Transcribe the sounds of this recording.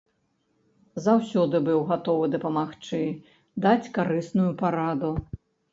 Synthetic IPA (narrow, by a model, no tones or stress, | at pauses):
zawsʲɔd̪ɨbɨwɣat̪ɔvɨd̪ɐpɐmaxt͡ʂɨ | d̪at͡sʲkaɾɨsnujupaɾad̪u